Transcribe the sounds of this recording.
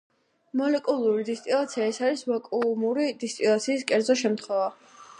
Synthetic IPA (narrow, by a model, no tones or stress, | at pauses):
mɔlɛkʼulˠuɾid̪ist̪ʼilˠat̪sʰiaɛsaɾisvakʼumuɾid̪ist̪ʼilˠat̪sʰiːskʼɛɾd̪zɔʃ̬ɛmt̪ʰχwɛva